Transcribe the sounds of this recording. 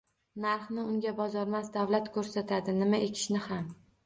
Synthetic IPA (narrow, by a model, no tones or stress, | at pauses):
naɾχnɪʊŋɡʲabɒzɒɾmasd̪avlat̪kʰɵɾsat̪ʰad̪ɪnɪmaʔekʲʰɪ̥ʃnɪham